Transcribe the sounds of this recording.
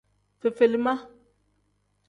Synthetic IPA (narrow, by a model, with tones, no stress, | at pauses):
fe˨fe˨li˨ma˦